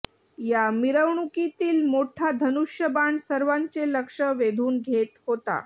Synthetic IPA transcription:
jamiɾəʋɳukit̪iːlmoʈʰad̪ʱənuʂjəbaɳsəɾʋaɲt͡seləkʂəʋed̪ʱuːnɡʱet̪ɦot̪a̰

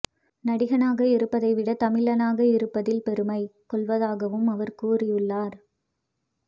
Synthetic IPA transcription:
nɐɽɪɣɐnaːɣɐɪɾɯpːɐðɐɪʋɪɽɐt̪ɐmɪɭɐnaːɣɐɪɾɯpːɐðɪlpɛɾɯmɐɪkɔɭʋɐðaːɣɐʋɯmɐʋɐɾkuːrɪjɯɭːaːɾ

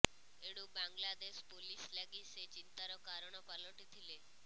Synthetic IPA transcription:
eɽ̃ubaŋɡlad̪espolislaɡiset͡ʃint̪aɾɔkaɾɔɽ̃ɔpalɔʈit̪ʰile

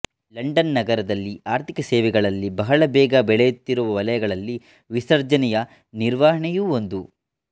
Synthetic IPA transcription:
lɐɳɖɐnːɐɡɐɾɐd̪ɐlːiaːɾt̪ikɐseːʋɛɡɐɭɐlːibɐɦɐɭɐbɛːɡɐbɛɭɛjut̪ːiɾuʋɐʋɐlɐjɐɡɐɭɐlːi | ʋisɐɾd͡ʒɐnɛjɐ | niɾʋaːɦɐɳɛjuːo̞nd̪u

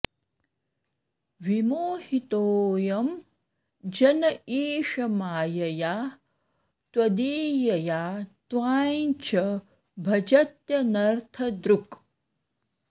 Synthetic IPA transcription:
ʋimoːhit̪oːjɐm | d͡ʒɐnɐiːʃɐmaːjɐjaː | t̪wɐd̪iːjɐjaːt̪waːjnt͡ʃʰɐ | bʱɐd͡ʒɐt̪jɐnɐɾt̪ʰɐd̪ɾuk

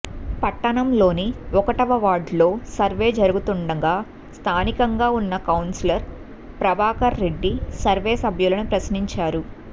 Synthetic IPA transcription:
pɐʈːɐɳɐmlo̞ːniɔkɐʈɐʋɐʋaːɖlo̞ːsɐɾʋe̞ːd͡ʒɐɾuɡut̪uɳɖɐɡaː | st̪ʰaːnikɐŋɡaːunːɐkɐwnsilɐɾ | pɾɐbʱaːkɐɾːe̞ɖːisɐɾʋeːsɐbʱjulɐnupɾɐsniɲt͡ʃaːɾu

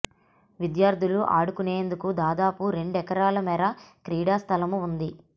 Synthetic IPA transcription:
ʋid̪jaːɾd̪ʱiluʔa̰ːɽukuneːnd̪ukud̪aːd̪aːpuɾe̞ɳɖɛkɐɾaːlɐmɛːɾɐkɾiːɽaːst̪ʰɐlɐmuund̪i

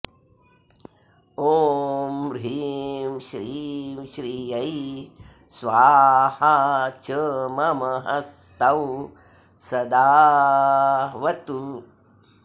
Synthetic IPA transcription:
oːmɾiːmʃɾimʃɾiːɐj | sʋaːhat͡ʃəmɐmɐɦɐst̪ɐw | sɐd̪aː | ʋɐt̪u

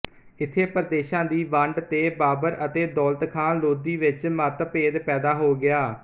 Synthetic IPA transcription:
ɪt̪ʰːeːpəɾd̪eːʃãːd̪iːʋə̃ɳɖt̪eːbaːbəɾət̪eːd̪ɔːlt̪kʰãːloːd̪iːʋɪt͡ʃmət̪peːd̪pɛːd̪aːɦoːɡɪaː

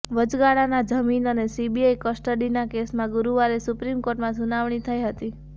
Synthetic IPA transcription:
ʋəd͡ʒɡaɽanad͡ʒəminənesibiajkəsʈəɖinakesmãɡʊɾuʋaɾesʊpɾimkoɾʈmãsunaʋɳ̃it̪ʰəjɦət̪i

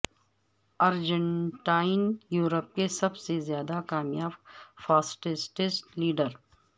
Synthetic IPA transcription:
ɐɾd͡ʒə̃ɳʈaːɪnjuːɾəp̚kesɐbsezjaːd̪akaːmjaːbfaːsʈɪsʈɪsliːɖəɾ

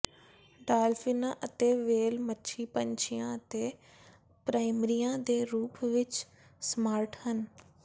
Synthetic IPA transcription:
ɖaːlfʰinãːʔət̪eːʋeːlmətːʃʰiːpəɲt͡ʃʰɪjãːət̪eː | pɾaːɪmɾijãːd̪eːɾuːpʋɪt͡ʃ | smaːɾʈhən

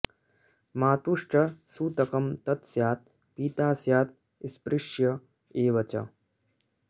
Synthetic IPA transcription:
maːt̪uʂʈɐsuːt̪ɐkɐmt̪ɐt̪sjaːt̪̚ | piːt̪aːsjaːt̪̚ | ispɾɪʂjɐ | eːʋɐt͡ʃɐ̰

